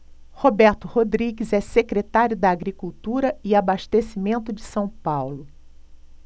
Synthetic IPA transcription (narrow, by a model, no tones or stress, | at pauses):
hobɛɾt̪ʊhod̪ɾiɡɪzɛsekɾet̪aɾjʊd̪ɐːɡɾikuwt̪uɾɐɪabaʃt̪esimẽnt̪ʊd͡ʒɪsɐ̃w̃pawlʊ